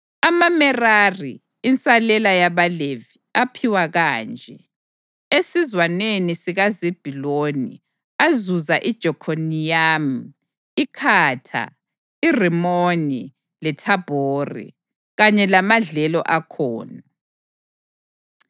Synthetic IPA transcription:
amamɛrarḭː | nt͡sʼalɛlajaβaleviapʰiwaɣaːnd͡ʒʱɛ | esizwanwenisiɣazib̥ʱilonḭ | azuzaʔid̥ʒ̥ʱɔkʰonijam̩ | ikʰaːtʰa̰ | irimoni | lɛtʰab̥ʱoːrḭ | ɣaɲɛlamaɮɛlɔ̰ʔakʰɔ̰ːna

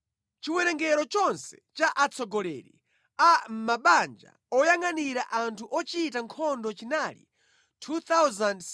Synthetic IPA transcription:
t͡ʃiwɛɾɛŋɡɛɾɔt͡ʃɔnsɛ̥t͡ʃaʔat͡sʰɔɡɔlɛɾḭ | am̩maɓand͡ʒa̰ | ɔjaŋaniɾaʔantʰuʔɔt͡ʃitaŋkʰɔndɔt͡ʃinalḭ | tʰut̪awzand

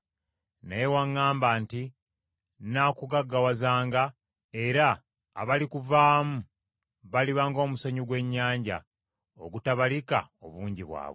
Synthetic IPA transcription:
najewaŋːaːmbaːnti | nakuɡaɡːawazaːŋɡa | e̞ɾa̰ː | βalikuvaːmu | βaliβaŋɡo̞ːmusaɲuɡwe̞ɲːaːɲɟa̰ | o̰ɡutaβalika̰oβuːɲɟiβwa̰ːβwe

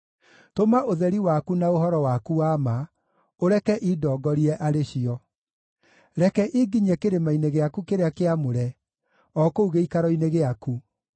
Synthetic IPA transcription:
tomaʔoðɛɾiwakunaohɔɾɔwakuama | oɾɛkɛʔidɔːɡɔɾiɛʔaɾeɕiɔ | ɾɛkɛʔiɡiɲɛkeɾemaineɣeakukeɾeakeamoɾɛ | ɔkouɣeikaɾɔineɣeaku

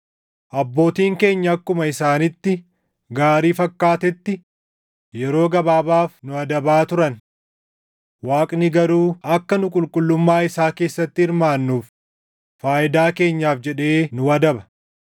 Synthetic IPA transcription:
ʔɐbːo̞ːt̪iːŋke̞ːɲːɐɐkːʊmɐɪsaːnɪt̪ːɪ | ɡaːɾiːfɐkːaːt̪ɛt̪ːɪ | jɛɾo̞ːɡɐbaːbaːfnʊɐd̪ɐbaːt̪ʊɾɐn | waːkʼnɪɡɐɾuːɐkːɐnʊkʼʊlkʼʊlːʊmːaːɪsaːke̞ːsːɐt̪ːɪɪɾmaːnːuːf | faːʔɪd̪aːke̞ːɲːaːfd͡ʒɛᶑe̞ːnʊɐd̪ɐbɐ̥

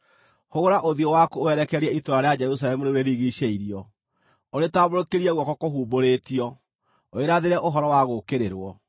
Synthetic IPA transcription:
hoɣoɾaʔoðiɔwakoowɛɾɛkɛɾiɛitoɾaɾead͡ʒɛɾusalɛmuneweðiɣiʃeiɾiɔ | oɾetaβoɾokeɾiɛɣwɔkɔkoɦuːboɾetiɔ | oeɾaðeɾɛʔoɦɔɾɔwaɣokeɾeɾwɔ

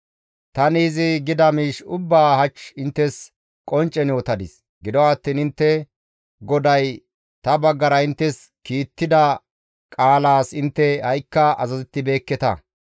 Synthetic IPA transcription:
t̪ɐniːzɪɡɪd̪ɐmiːʃʊbːaːhɐt͡ʃɪnt̪ːɛs | kʼɔnt͡ʃʼːɛnjoːt̪ɐd̪ɪs | ɡɪd̪ɔwaːt̪ːiːnɪnt̪ːɛ | ɡɔd̪ɐj | t̪ɐbɐɡːɐɾɐɪnt̪ːɛs | kiːt̪ːɪd̪ɐ | kʼaːlaːsɪnt̪ːɛhɐjkːɐɐzɐzɪt̪ːɪbe̞ːkːɛt̪ɐ̰

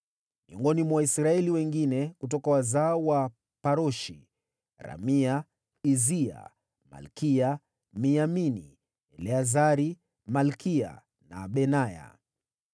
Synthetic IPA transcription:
miɔŋɡɔnimwaisɾaɛliwɛŋɡinɛkut̬ɔkawazaɔwa | paɾɔʃi | ɾa̰mia | izia̰ | ma̰lkia | miamini | ɛlɛazaɾi | malkia̰ | naɓɛnaja̰

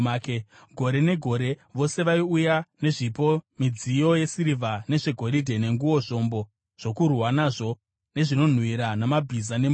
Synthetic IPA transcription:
kɡʱo̞ɾe̞ne̞ɡʱo̞ɾe̞ʋo̞se̞ʋaiujane̞ʐipo̞mid͡zijo̞je̞siɾivʱane̞ʐe̞ɡʱo̞ɾidʱe̞ne̞ŋɡuwo̞ʐo̞mbo̞ | ʐ̥o̞kurwanaʐo̞ | ne̞ʐino̞n̤wiɾanamabʱizane̞m

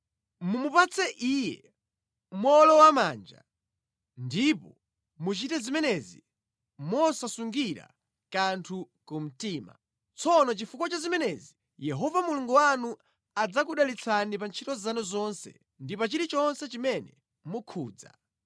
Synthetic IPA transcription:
mumupat͡sʰɛʔiːjɛ̰ | mɔlɔwamaːnd͡ʒa̰ | ndipɔ | mut͡ʃitɛzimɛnɛzi | mɔsasuŋɡiɾa̰ | kantʰukum̩tiːma̰ | t͡sʰɔnɔt͡ʃifukɔt͡ʃazimɛnɛzi | jɛɦɔvamuluŋɡuwanu | ad͡zak̬uɗalit͡sʰanipant͡ʃʰitɔzanɔzɔnsɛ̰ | ndipat͡ʃiɾit͡ʃɔnsɛt͡ʃimɛnɛ | mukʰuːd͡za̰

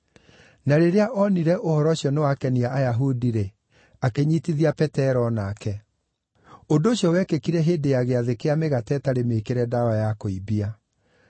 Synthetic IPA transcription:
naɾeɾeaʔɔniɾɛʔohɔɾɔɕjɔnewakɛniaʔajaɦudiɾe | akeɲitiðiapɛtɛɾɔnakɛ | ondoːɕjɔwɛkekiɾɛɦeːdejaɣeaðekeameɣatɛtaɾemekeɾɛdawajakoibia

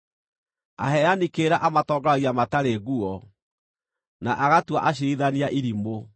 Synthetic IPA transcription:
a̰ɦɛjanikeɾaʔamatɔːɡaɣiamataɾeɣuɔ | naʔaɣatwa̰ʔaɕ̬iiðaniaʔiɾimo

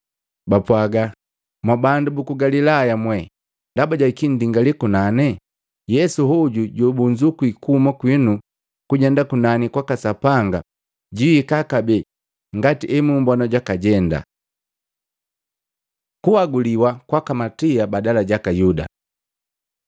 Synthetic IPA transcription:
bapwaɡa | mwabandubukuɡalilajamwɛ | ndabaɟaikindiŋɡalikunanɛ | jɛsuɦɔɟuɟɔbuɲd͡ʒukuikumakwinu | kuɟɛndakunanikwakasapaŋɡa | ɟiːkakabɛ | ŋɡatiʔɛmumbanaɟakaɟɛnda̰ | kuhaɡuliwakwakamatiabadalaɟakajuda̰

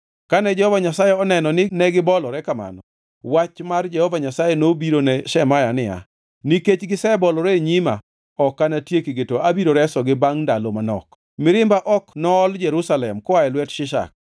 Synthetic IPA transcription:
kanɛd͡ʒɛhɔvaɲasajɛɔnɛnɔnɪnɛɡɪbɔlɔɾɛkama̰nɔ | wat͡ʃmard͡ʒɛhɔvaɲasajɛnobiɾonɛʃɛmajanɪa̰ | niket͡ʃɡɪsɛbɔlɔɾeɲima | ɔkːanatjekiɡetoʔabiɾoɾɛsɔɡɪbaŋndalomanɔ̰k | mɪɾɪmbaʔɔknɔːld͡ʒɛɾusalɛmkɔaɛlwɛtʃɪʃa̰k̚

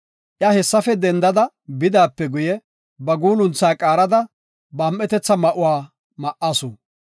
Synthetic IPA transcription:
ʔjɐhɛsːɐfɛd̪ɛnd̪ɐd̪ɐ | bɪd̪aːpːɛɡʊjɛ | bɐɡuːlʊnt͡sːaːkʼaːɾɐd̪ɐ | bɐːmʔɛt̪ɛt͡sːɐmɐʔʊwaː | mɐʔɐsʊ

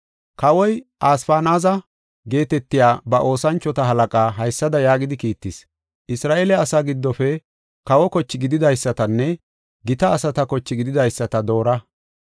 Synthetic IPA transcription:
kɐwɔjʔaːsfaːnaːzɐ | ɡe̞ːt̪ɛt̪ːɪjaːbɐʔo̞ːsɐnt͡ʃːɔt̪ɐɦɐlɐkʼaːɦɐjsːɐd̪ɐjaːɡɪd̪ɪkiːt̪ːɪs | ʔɪsɾaːʔeːlɛɐsaːɡɪd̪ːɔfɛ | kɐwɔkɔt͡ʃːɪɡɪd̪ɪd̪ɐjsːɐt̪ɐnːɛ | ɡɪt̪ɐːsɐt̪ɐkɔt͡ʃːɪɡɪd̪ɪd̪ɐjsːɐt̪ɐd̪o̞ːɾɐ

